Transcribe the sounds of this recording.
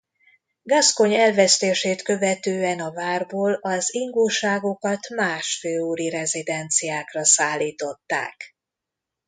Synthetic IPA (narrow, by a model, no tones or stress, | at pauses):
ɡɒsko̞ɲɛlvɛst̪eːʃeːt̪kø̞vɛt̪øːɛnɒvaːrboːlɒziŋɡulʃaːɡo̞kɒt̪maːʃføːuɾiɾɛzid̪ɛnt̪sijaːkrɒsaːlːiːt̪o̞t̪ːa̰ːk